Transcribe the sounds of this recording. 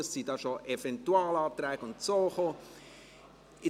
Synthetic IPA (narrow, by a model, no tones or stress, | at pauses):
əssidɑːʃoʔefɛntuɑːlɑːt̪ɾɛːɡ̥ʊntsoːxo | ɪ